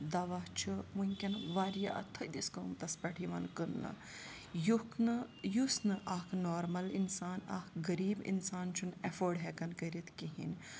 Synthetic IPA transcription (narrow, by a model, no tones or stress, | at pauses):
d̪ɐʋaːt͡ʃʰɨmunʲkʲɐnʋaːɾijaɐ̰t̪ʰːɐd̪iskɐmt̪ɐspɐʈʰiʋɐnkɨnːɐ̰ | jukʰnɨjusnɨʔɐkʰnoːɾmɐlinsaːna̰kʰɡɐɾiːbḭnsaːnt͡ʃʰunefoːɖɦɛkɐnkəɾit̪ʰkiɦḭn